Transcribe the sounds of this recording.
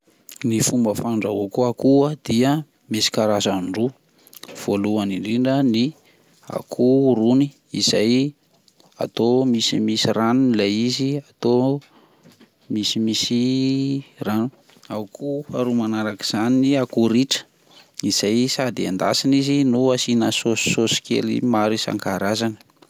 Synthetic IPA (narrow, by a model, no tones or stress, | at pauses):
nifumbəfaɳɖ͡ʐavokuakuad̪̥iə | mesi̥kaɾazaɳɖ͡ʐu | v̥oluaniɳɖ͡ʐiɳɖ͡ʐəni | a̰kʰuɾuni | izaj | a̰t̪omisimisiranunilaiziat̪o | misimisi | ranu | aukʰuaɾumanaɾaki̥z̥aniniakuɾiʈ͡ʂə̥ | iz̥ajsad̪iand̪asinizinuasinəso̥ːosi̥kḛlḭmaɾisa̰ŋkaɾazanə̥